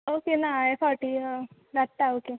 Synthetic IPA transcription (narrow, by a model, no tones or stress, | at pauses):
okenaefɔʈi | ɾaʈʈ̪aoːke